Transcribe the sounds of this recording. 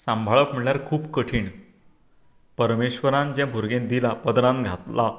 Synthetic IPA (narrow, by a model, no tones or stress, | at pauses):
sãmbʱaɭəpm̤əɭjaɾkʰuːpkəʈʰiːɳ | pəɾmeɕʋəɾãnd͡ʑjãbʱuɾɡẽnd̪ilapəd̪ɾãnɡʱat̪la